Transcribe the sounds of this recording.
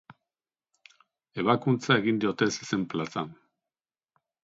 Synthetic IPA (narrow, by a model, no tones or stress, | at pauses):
e̞β̞akunt͡sae̞ɣind̪io̞t̪e̞sesemplasan